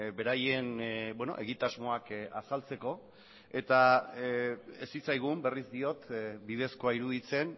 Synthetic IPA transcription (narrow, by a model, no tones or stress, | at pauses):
be̞ɾaje̞nbweno̞̰ʔe̞ɣit̪azmo̞akasalt͡se̞ko̞ | e̞t̪a | esit͡sajɣ̞umbe̞rizd̪io̞t̪bið̞e̞sko̞aiɾuðit͡se̞n